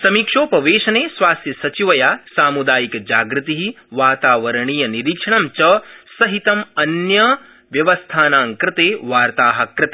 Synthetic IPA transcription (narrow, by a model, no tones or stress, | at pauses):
sɐmiːkʂoːpɐʋeːʃɐneːsʋaːst̪jɐsɐt͡ʃiʋɐjaːsaːmud̪aːjikd͡ʒaːɡɾɪt̪iɦi | ʋaːt̪aːʋɐɾɐɳiːjɐniɾikʂɐɳɐmt͡ʃɐsɐɦit̪ɐmɐnjɐ | ʋjɐʋɐst̪ʰaːnaːŋkɾɪt̪eːʋaːɾt̪aːɦɐ̆kɾɪt̪eː